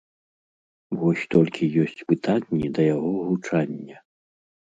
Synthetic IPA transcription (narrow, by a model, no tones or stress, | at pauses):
vɔsʲt̪ɔlʲkʲʰijɔsʲt͡sʲpɨt̪ʰanʲːid̪ɐjaɣɔɣut͡ʂanʲːɐ